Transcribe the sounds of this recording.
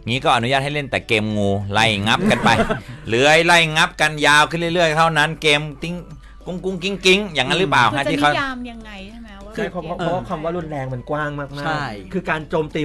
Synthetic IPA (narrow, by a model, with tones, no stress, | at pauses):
ŋiː˦˥kɔː˥˩ʔa˧nu˦jaː˥˩t̚ha˥˩le˥˩nt̪ɛː˨˩keː˧mŋuː˧la˧˥˩jŋa˦˥p̚ka˧npa˧jlɯ˦˩əjla˧˩jŋa˦˥p̚ka˧njaː˧wkʰɯ˥˩lɯ˥˩jlɯ˥˩əjt̪ʰa˥˩wna˦˥nkeː˧mki˦˥ŋ | ku˥˩ŋku˥˩ŋki˦˥ŋki˦˥ŋjaː˨˩ŋːa˦˥nɾɯ˦˥plaː˨˩wna˥˩t̪iː˥˩ka˦˥a˧mja˧ŋa˧j | kʰɯ˧˩kʰːkʰwa˧mwaː˥˩lu˧˥˩nlɛː˧ŋma˧nkwaː˥˩ŋmaː˥˩k̚maː˥˩kkʰɯː˧kaː˧nt͡ɕoː˧mt̪iː˧